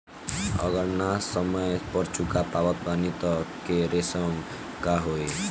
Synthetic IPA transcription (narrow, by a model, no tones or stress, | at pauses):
ʌ̰ɡʌɾnasʌmʌjpɔɾt͡ʃukapabʌt̪banit̪ʌkeɾesʌn | kaɦoj